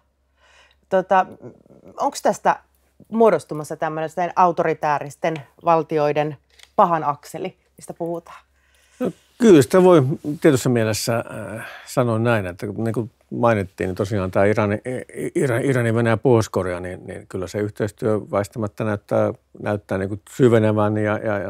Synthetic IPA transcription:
t̪ot̪ɑ | oŋkst̪æst̪æ | muodost̪umɑsːɑt̪æmːønest̪ːenʔɑut̪orit̪æːrist̪en | ʋɑlt̪ioiden | pɑhɑnɑkseli | ist̪æpuhut̪ɑ̥ː | no | kylsi̥t̪æʋoˑit̪iet̪ysːɑmielesːæ | sɑnonnæˑinet̪ːækniːŋku | mɑˑinit̪ːḭːnit̪osiɑːnt̪æːirɑniirɑirɑniʋenejæpoˑiskoreɑninnḭnkylːæseyht̪eˑist̪yøʋɑist̪ɑmɑt̪ːænæyt̪ːæːnæyt̪ːæːniːkusyʋeneʋæːnːijɑjɑjɑ

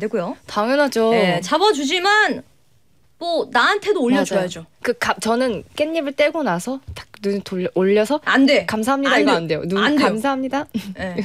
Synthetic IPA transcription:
adeɡujotaŋɯnɦad͡ʑoet͡ɕabʌd͡ʑud͡ʑiman | monaantʰe̞doːʎːʌt͡ɕojad͡ʑokɯkat͡ɕʌnɯnk͈e̞ɲːibɯɭt͈eɡonasʰʌtḁnuntooʎːʌsʰʌande̞kamsʰaɦamɲidaiande̞jo̰nuadamsʰaɦamɲidae

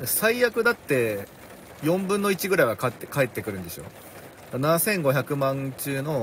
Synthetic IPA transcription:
d̪esaijakɯ̟d̪at̪ːe̞ | jõ̞mbɯ̃nːo̞it͡ɕiɡɯ̟ɾaijβakatːkae̞t̪ːe̞kɯ̟ɾɯ̟nd̪eɕo̞̰ː | d̥̪anasẽ̞ŋɡo̞çakɯ̟mãnt͡ɕɨːno̞

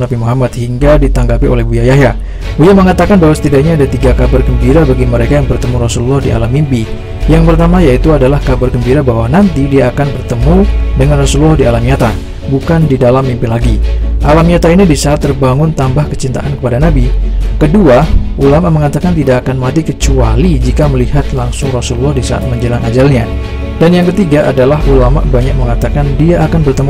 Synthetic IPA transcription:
nabimuɦamat̪hiŋɡadit̪aŋɡapio̰lɛhbujajahɦja | bujaməŋat̪akanbaɦwasə̥t̪idaɲaːdat̪iɡakabarɡəmbiɾabaɡiməɾekajaŋbərt̪əmuɾɔsululːɔhdia̰lamimpi | jaŋpərt̪amajait̪uadalahkabarɡəmbiɾabaɦwanant̪idiaːkanbərt̪əmudəŋanrɔsululɔhdialamiat̪a | bukandidalamːimpilaɡiʔalamiat̪ainibisaːt̪ːərbaŋʊnt̪ambahkə̥t͡ʃint̪a̰ʔankəpadanabikəduaʔulamaʔməŋat̪akant̪idaʔːkanmat̪ikət͡ʃualid͡ʒikaməlihat̪laŋsʊŋrasululɔhdisaa̰t̪̚məɲd͡ʒəlaŋʔad͡ʒalɲa | danjaŋkət̪iɡaʔadalaɦulama̰ʔbaɲak̚məŋat̪akandiaːkanbərt̪əmu

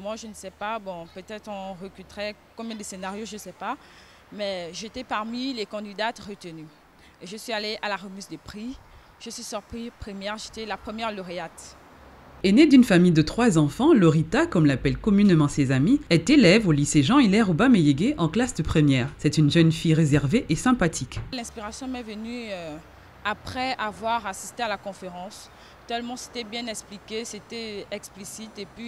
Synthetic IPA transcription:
mwaʒənəsɛpabɔ̃pøt̪ɛt̪χɔ̃ʁəkʲyt̪ʁɛkɔ̃bjɛ̃d̪əsenaʁjoʒəsɛpa | mɛʒet̪ɛpaʁmilekɑ̃d̪id̪at̪ʁət̪əny | ʒəsɥialeʔalaʁəmyzd̪əpχi | ʒ̥əsɥisyʁpχipχəmjɛʁʒet̪ɛlapχəmjɛʁlɔʁeat̪ | ened̪ynfamijd̪ət̪χwazɑ̃fɑ̃lɔʁit̪akɔmlapɛlkɔmynemɑ̃sezamiɛt̪elɛvoliseʒɑ̃ilɛʁobamejeɡeʔɑ̃klasd̪əpχəmjɛːʁsɛt̪ynʒənfijʁezɛʁveʔesɛ̃pat̪ʰiklɛ̃spiʁasjɔ̃mɛvəny | apχɛavwaʁasi̥st̪ealakɔ̃feʁɑ̃s | t̪ɛlmɑ̃se̥t̪ɛbjɛ̃nɛksplikʲeset̪ɛɛksplisit̪epɥi

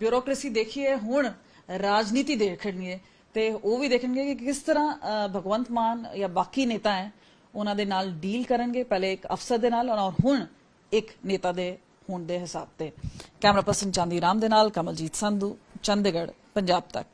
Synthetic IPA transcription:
bjuːɾɔːkɾesiːd̪eːkʰieːɦʊɳ | ɾaːd͡ʒniːt̪iːd̪eːkʰəɳɡeː | t̪eːoːʋiːd̪eːkʰəɳɡeːkɪkɪst̪əɾãːbʱəɡʋənt̪maːnjaːbaːkiːneːt̪ãːɛ̃ː | ʊnãːd̪eːnaːlɖiːlkəɾəɳɡeːpɛːlẽːɪkə̰pʰsəɾd̪eːnaːlɔːɾɦʊɳ | ɪkneːt̪aːd̪eː | hʊːɳd̪eːɦɪsa̰ːb̚t̪eːkɛːmɾaːpəɾsənt͡ʃãːnd̪iːɾaːmd̪eːnaːlkəməld͡ʒiːt̪sə̃nd̪ũːt͡ʃənd̪eɡəɽ | pəɲd͡ʒaːb̚t̪ə̰k

